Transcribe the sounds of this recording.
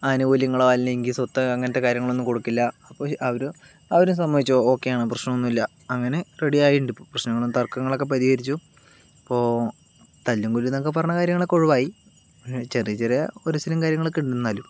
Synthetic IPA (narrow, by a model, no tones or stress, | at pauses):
ɐnuʋoljɐŋːɐɭoɐlnɐiŋɡisot̪ːɐɐŋːɐnɐt̪ːe̞kaːɾjɐŋːɐɭo̞nːumko̞ɽukːilːɐɐpːoɐʋɐɾu | ɐʋɐɾumsɐmːɐʋit͡ɕːuooːkːe̞jaːɳɨprɐɕnɐmonːumilːɐ | ɐŋːɐne̞reɽijaːjiɳɖipːoːprɐɕnɐŋːɐɭonːt̪ɐrkːɐŋːɐɭo̞kːep̬ɐðihɐɾit͡ɕːu | ipːo̞ː | t̪ɐlːuŋɡulːunːɐkːep̬ɐrɐɲːɐkaːɾjɐŋːɐɭokːoɻuʋaːji | ɐʂet͡ɕerijɐt͡ɕːerijɐoɾusilɐmkaːɾjɐŋːɐɭokːiɳɖunuːaːlum